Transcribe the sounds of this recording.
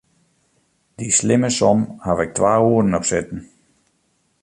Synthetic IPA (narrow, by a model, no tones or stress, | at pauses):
d̥islɪməsɔmhavɪk̚tʰʋaːuədən̩ɔpsɪtn̩